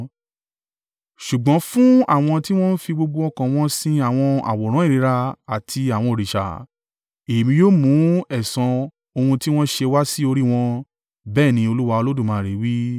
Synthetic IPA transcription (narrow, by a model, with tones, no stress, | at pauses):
ʃu˨ɡ͡bɔ̃˨˦fũ˦a̰˦˨w̃ɔ̃˧ti˦w̃ɔ̃˦n̩˦fi˧ɡ͡bo˧ɡ͡bo˧ɔ˧kã˨w̃ɔ̃˦sĩ˧a˦˨w̃ɔ̃˧a̰˨wɔ˨ɾ̃ã˨˦i˦˨ɾi˨˦ɾa˧a˨tʰi˧a˨w̃ɔ̃˧o˨ɾi˨ʃa̰˨ | e˨mĩ˧joː˦˨mũ˨˦ɛ˦˨sã˨˧ | o˧hũ˧ti˦w̃ɔ̃˦ʃe˧wa˦si˦o˧ɾi˦w̃ɔ̃˧ | bɛː˦˨nĩ˧˦o˧lu˦wa˧o˧lo˦dũ˦˨mã˨˦˨ɾe˨˦wi˦